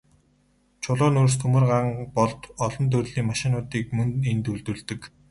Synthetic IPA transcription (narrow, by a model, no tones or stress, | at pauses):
t͡ɕʰʊɮʊːnurs̬t̪ʰɵmɘ̆rɢaŋpɔɮt̪ɔɮɞ̆nt̪̬ʰɵrɮiːŋmaʃɪ̆nʊːt̪iːk̚mɵnent̪uɮt̪ɵ̆ɮt̪ɘ̆k